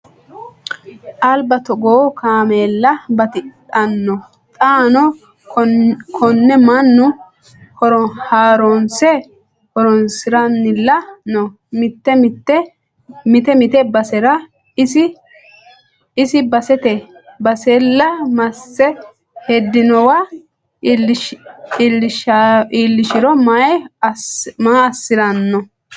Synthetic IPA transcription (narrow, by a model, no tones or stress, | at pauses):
ʔɐlbɐt̪ɔɡoːkʰaːmeːlːɐbɐt̪ɪtʼɐnːɔ | t̪ʼaːnɔ | kʰɔnːɛmɐnːʊ | hɔɾɔnhaːɾonsɛ | hɔɾɔnsɪɾɐnːɪlːɐnɔ | mɪt̪ːɛt̪ːɛ | mɪt̪ɛmɪt̪ɛbɐsɛɾɐ | ɪsɪ | ɪsɪbɐsɛt̪ɛ | bɐsɛlːɐmɐsːɛ | hɛd̪ːɪnɔwa | ɪlːɪʃaʔiːlːɪʃɪɾɔmaj | maɐsːɪɾɐnːɔ